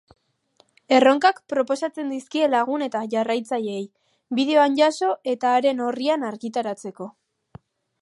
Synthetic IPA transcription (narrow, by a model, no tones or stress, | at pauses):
e̞ro̞ŋkakpɾo̞po̞sat͡se̞nd̪iskie̞laɣ̞une̞t̪aʝarajt͡saʎeej | βið̞e̞o̞anʝaso̞ʔe̞t̪aːɾe̞no̞rianaɾɣit̪aɾat͡se̞ko̞